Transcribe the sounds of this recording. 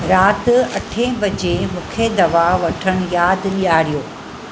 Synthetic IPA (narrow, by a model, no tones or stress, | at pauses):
ɾaːt̪ɐʈʰẽbɐd͡ʑemũːkʰed̪ɐʋaʋɐʈʰəɽ̃ʊjaːd̪liaːɾijoː